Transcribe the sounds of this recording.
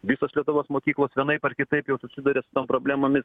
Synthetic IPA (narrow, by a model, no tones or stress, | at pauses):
ʋʲɪsoːslʲiɛt̪ʊʋoːsmoːkʲiːklˠoːsʋʲɛnɐɪpɐrkʲɪt̪ɐɪpjɛʊsʊsʲɪd̪ɐɾʲeːsʊ̥t̪oːmpɾoːbʲlʲæːmoːmʲɪs